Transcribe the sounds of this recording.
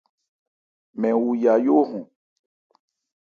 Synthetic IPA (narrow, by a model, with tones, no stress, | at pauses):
mɛ̃˨wu˨ja˨jo˦ɦũ˨